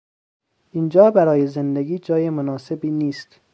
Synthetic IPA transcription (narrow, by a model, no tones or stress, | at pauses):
ʔind͡ʒɒːbæɾɒːjezend̪eɡiːd͡ʒɒːjemonɒːse̞biːniːst̪